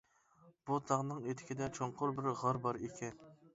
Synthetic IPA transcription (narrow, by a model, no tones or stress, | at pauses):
b̥ut̪ʰɑʁnɨŋet̪ʰɪ̥kʲid̪ɛt͡ʃʰoɴqʰʊɾbɪɾʁɑɾbɑɾekʲʰɛn